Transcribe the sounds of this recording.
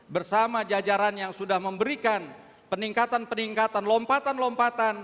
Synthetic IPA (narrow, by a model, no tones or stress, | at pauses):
bərsamad͡ʒad͡ʒaɾanjaŋsudahməmbəɾikan | pəniŋkat̪anpəniŋkat̪anlɔmpat̪anlɔmpat̪an